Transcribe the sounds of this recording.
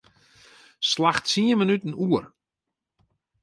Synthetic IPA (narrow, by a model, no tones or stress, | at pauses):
slaxtsiənmənytən̩uər